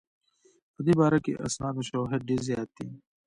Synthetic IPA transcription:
əd̪iːbaːɾakḛʔɐ̰snaːd̪oʃoːɦed̪̚ɖeːɾzjaːt̪ʰːḭː

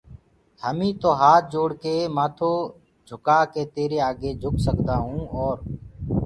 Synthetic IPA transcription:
həmĩːt̪oːɦaːt̪̚ʰd͡ʒoːɽkeːmaːt̪ʰoː | d͡ʒʱʊkaːkeːt̪eːɾeːaːɡeːd͡ʒʱʊksəkd̪aːɦũːoːɾ

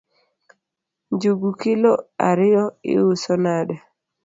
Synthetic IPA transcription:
nd͡ʒuɡukɪloa̰ɾɪɔɪ̰usonadɛ

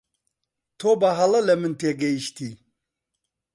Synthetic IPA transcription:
t̪ʰobɐɦɐlɐlɐmɨnt̪ʰeɡeiʃt̪ʰi

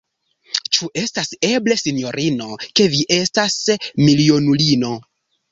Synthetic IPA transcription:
t͡ʃuʔe̞stase̞ble̞sino̞ɾʔino̞ke̞viʔe̞stasmilio̞nulino̞

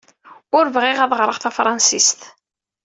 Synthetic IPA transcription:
ʊɾvʁɪʁæðˤʁɾˤəʁθæfɾˤɑnsist̪

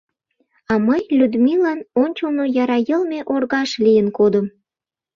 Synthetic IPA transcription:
ɑməjlʲyd̪milɑnonʲt͡ɕonojɑɾɑjəlmeʔorɣɑʃlijənkod̪əm

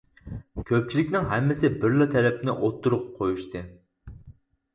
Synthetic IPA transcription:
kʲʰøp̚t͡ʃʰilɪkʲnɪŋɦɛmːɪsɪbɪɾlˠɨt̪ʰɛɾɛpnɪʔot̪ʰːuɾuqqʰojuʃt̪ʰɨ

